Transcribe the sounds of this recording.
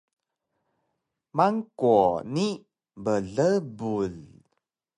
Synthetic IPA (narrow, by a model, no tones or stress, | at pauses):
maŋkuɔni | bəɮəbul